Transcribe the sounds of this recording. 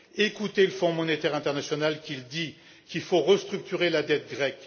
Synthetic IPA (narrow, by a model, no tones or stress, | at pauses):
ekut̪eləfɔ̃mɔnet̪ɛʁɛ̃t̪ɛʁnasjɔnalkʲild̪i | kilfoʁəst̪χyk̚t̪yʁelad̪ɛt̪̚ɡʁɛk